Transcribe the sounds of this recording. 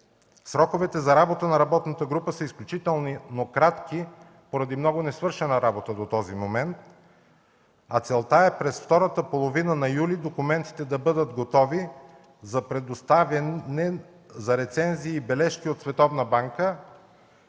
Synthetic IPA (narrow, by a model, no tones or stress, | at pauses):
sɾɔkovɛt̪ɛzɐɾabot̪ənɐɾɐbɔt̪nət̪əɡɾupəsəisklʲut͡ʃit̪ɛlˠninokɾat̪ki | poɾɐd̪imnɔɡʊnɛsvɤɾʃɛnəɾabot̪əd̪ot̪ɔzimomɛnt̪̚ | ɐt̪sɛlˠt̪aɛpɾɛsft̪ɔɾət̪əpolˠovinənɐjulid̪okʊmɛnt̪i̥t̪ɛd̪ɐbɤd̪ət̪ɡot̪ɔvi | zɐpɾɛd̪ost̪avɛnɛ | zɐɾɛt̪sɛnziːbɛlɛʃkiot̪svɛt̪ɔvnəbaŋkə